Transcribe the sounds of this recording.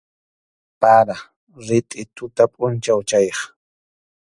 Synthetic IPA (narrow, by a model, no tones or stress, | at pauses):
paɾa | ɾɪt̪ʼɪt̪ʊt̪apʼʊnt͡ʃawt͡ʃajχ